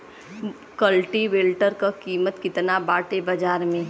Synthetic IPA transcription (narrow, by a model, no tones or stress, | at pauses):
kəlʈiʋeːlʈəɾkakiːmət̪kɪt̪nabaːʈebɐd͡ʒaːɾmẽ